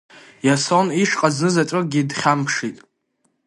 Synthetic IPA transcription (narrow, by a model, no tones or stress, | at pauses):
jasoniʂqʼaznɨzat͡ʃʼɨɡʲidχʲampʰʂitʼ